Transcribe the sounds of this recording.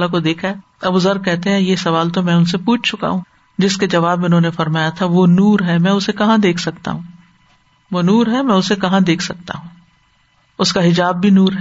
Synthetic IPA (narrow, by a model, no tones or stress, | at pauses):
lakod̪eːkʰaɛː | ɐbʊzɐɾkɛɦt̪eɦɛ̃jesɐʋaːlt̪omɛ̃ːʊnsepuːt͡ʃʰt͡ʃʊka̰ɦũː | d͡ʒɪsked͡ʒɐʋaːbmeʊnɦõnefɐɾmaːjat̪ʰaʋoːnuːɾɦɛːmɛ̃ːʊsekɐɦãd̪eːkʰsɐkt̪a̰ɦũː | ʋonuːɾɦɛmɛ̃ːʊsekɐɦãd̪eːkʰsɐk̚t̪a̰ɦũː | ʊskaɦɪd͡ʒaːbːʱinuːɾɦɛː